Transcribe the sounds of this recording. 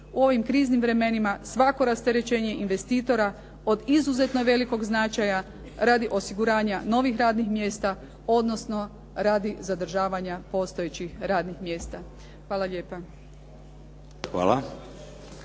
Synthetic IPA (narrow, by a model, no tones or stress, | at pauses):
uo̞ʋimkɾiːznimʋɾe̞me̞nimasʋako̞ɾast̪e̞ɾe̞t͡ʃe̞ːɲe̞ʔinʋe̞st̪iːt̪o̞ɾa | o̞d̪izuze̞t̪noʋe̞liko̞ɡznat͡ʃaja | ɾad̪iʔo̞siɡuɾaːɲano̞ʋixɾaːd̪nixmje̞ːst̪a | o̞d̪no̞sno̞ | ɾaːd̪izad̪r̩ʒaːʋaɲapo̞ːst̪o̞jet͡ɕixɾaːd̪nixmje̞ːst̪a | xʋaːlˠaʎe̞ːpa | xʋa̰ːla